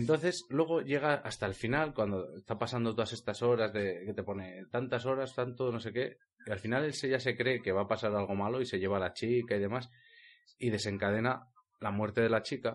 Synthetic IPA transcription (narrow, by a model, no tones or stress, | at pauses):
ent̪o̞n̟θe̞slwe̞ɣ̞o̞ʝe̞ɣ̞aast̪aelfinalkwand̪oest̪apasand̪ot̪o̞ðasest̪aso̞ɾazðe̞ke̞t̪e̞po̞ne̞t̪ant̪aso̞ɾast̪ant̪ono̞se̞ke̞ | ialfinale̞lseʝase̞kɾe̞ke̞βapasaɾalɣ̞o̞malo̞ise̞ʝe̞β̞alat͡ʃikaiðe̞mas | ið̞e̞se̞ŋkað̞e̞na | lamwe̞ɾt̪e̞ðe̞lat͡ʃika